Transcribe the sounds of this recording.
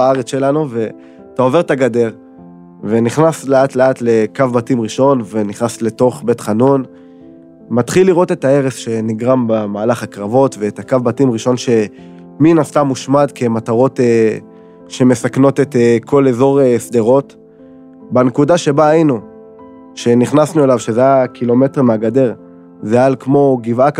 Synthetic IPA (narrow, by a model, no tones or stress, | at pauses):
aaʁet͡sʃe̞lanuve̞ | taove̞ʁtaɡade̞ʁ | ve̞niχnasleatle̞atlekavbatimʁiʃo̞nve̞niχnasle̞to̞χbe̞tχanun | mat̪χilːiʁo̞te̞tae̞ʁesʃe̞niɡʁambamaːlaχakʁavo̞tve̞ːtakavbatimʁiʃo̞nʃe̞ | minast̪amːuʃmadke̞mataʁo̞te | ʃe̞me̞sakno̞tetekʰo̞le̞zo̞ʁesd̪e̞ʁo̞t | banekudaʃe̞baainu | ʃe̞niχnasnue̞lavʃezajakʰilo̞me̞teʁmeaɡade̞ʁ | zealkmo̞ɡivak